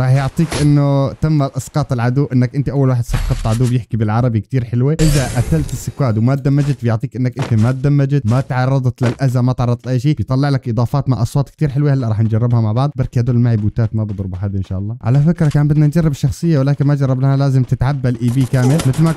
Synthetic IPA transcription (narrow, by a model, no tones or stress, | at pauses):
ɾˤɑːħjʊʕt̪ˤiːkʔɪnːʊt̪amːaʔɑsqɑːt̪ˤɪlʕad̪uːʔɪnːakʔɪnt̪iʔawːalwaːħɪd̪sɑbqːɑt̪ˤt̪ːʕad̪uːbjɪħkibɪlʕɑɾˤɑbikt̪iːɾħɪlwiʔɪðaʔaθalt̪ɪsːɪkwaːd̪wmat̪̚d̪amːad͡ʒɪt̪̚bjʊʕt̪ˤiːkʔɪnːakʔɪnt̪imat̪̚d̪amːad͡ʒɪt̪mat̪ʕɑrˤːɑd̪ˤt̪lɪlʔazamat̪ʕɑrˤːɑd̪ˤtlʔajʃiːbjt̪ˤɑlːɪʕlakʔɨd̪ˤɑːfɑːt̪maʕʔɑsˤwɑːt̪k̚t̪iːɾħɪlwehalːaʔɾˤɑːħnd͡ʒarˤːɪbhamaʕbɑʕd̪ˤbɑɾˤkiad̪uːlɪlmaʕibuːt̪aːt̪mabɑd̪ˤɾbʊħaːd̪iʔɪnʃa̰ːʔɑlˤːɑːʕa̰lafɪkɾˤɑkaːnbɪd̪nand͡ʒɑrˤːɪbʃːɑxsˤɨjːawɪlaːkɪnmad͡ʒɑrˤːɪblahalaːzɪmt̪ɪt̪ʕabːalʔiːbiːkaːmɪlmɪt̪lma